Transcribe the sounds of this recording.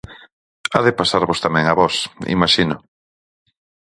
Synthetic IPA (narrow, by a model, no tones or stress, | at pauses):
a̰ðɪpasaɾβost̪amɛ̃ŋaβɔsḭmaʃinʊ